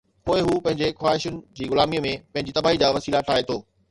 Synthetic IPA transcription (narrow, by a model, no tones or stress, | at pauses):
poːɪɦupɐ̃ɦɪ̃ɲd͡ʑexwaːɦɪʃʊnɪ̆d͡ʑiːɣʊlaːmimẽpɐ̃ɦɪ̃ɲd͡ʑit̪ɐbaːɦid͡ʑaʋɐsiːlaʈʰaːɦet̪ʰoː